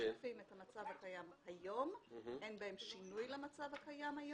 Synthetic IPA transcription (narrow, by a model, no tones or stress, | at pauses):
fimethamat͡savhakajamhajo̞menbae̞mʃinujlemat͡savhakajamhaj